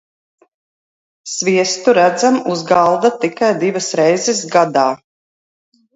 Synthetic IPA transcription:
sviɛst̪uɾæd̪zamuzɡalˠd̪at̪ikajd̪ivasɾɛjzɛsɡad̪aː

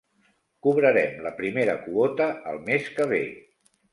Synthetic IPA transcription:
kuβ̞ɾəɾɛmləpɾimeɾə̰kuot̪əːlˠmeskəβ̞ḛ

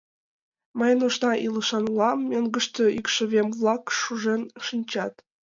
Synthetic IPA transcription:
məjnoʃnɑʔiləʃɑnlɑmːeŋɡə̆ʃt̪øʔikʃə̆βemβlˠɑkʃuʒenʃinʲt͡ɕɑt̪

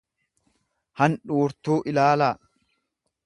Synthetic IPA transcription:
hɐnᶑuːɾt̪uːʔɪlaːlaː

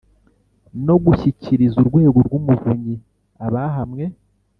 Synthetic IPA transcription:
no̞ɡuçiciɾizuɾɡwe̞ːɡoɾɡumuvuɲɟi | aβaɦamŋe̞

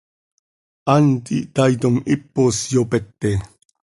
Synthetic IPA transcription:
ant̪iʔt̪ajt̪omɪpːosjopet̪ːe

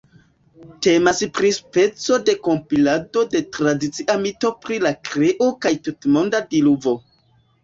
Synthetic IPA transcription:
te̞maspɾispe̞t͡so̞de̞ko̞mpilado̞de̞tɾadit͡siʔamito̞pɾilakɾeʔo̞kajtutmo̞ndadiluvo̞

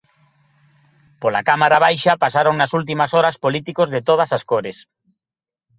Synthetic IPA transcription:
polakamaɾaβ̞ajʃɐpasaɾoŋnɐsult̪̬imɐsɔɾɐspolit̪ikozðɪt̪oð̞ɐsaskoɾes

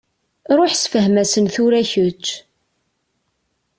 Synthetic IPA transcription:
ɾˤʊħsfəɦmæsənθʊɾæçət͡ʃː

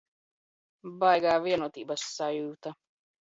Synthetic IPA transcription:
bajɡaːviɛnuɔt̪iːbɐsːajuːt̪a

